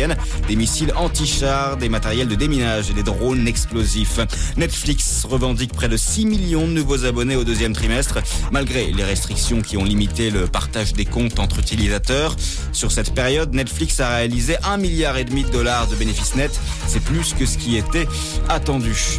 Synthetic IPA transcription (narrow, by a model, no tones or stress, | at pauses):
ɛn | d̪emisilɑ̃t̪iʃaʁd̪emat̪ɛʁjɛld̪əd̪eminaʒed̪ed̪ʁonɛksplozifnɛt̪fliks | ʁəvɑ̃d̪ik̚pχɛd̪əsimiljɔ̃d̪ənuvozabɔneod̪øzjɛmt̪χimɛst̪χmalɡʁeleʁɛst̪χiksjɔ̃kʲiɔ̃limit̪eləpaʁt̪aʒd̪ekɔ̃t̪ɑ̃t̪χyt̪ilizat̪œʁ | syʁsɛt̪peʁjɔd̪nɛt̪fliksaʁealizeʔɛ̃miljaʁed̪mid̪əd̪ɔlaʁd̪əbenefisnɛt̪ | sɛplyskəsə̥kʲiet̪ɛ | at̪ɑ̃d̪y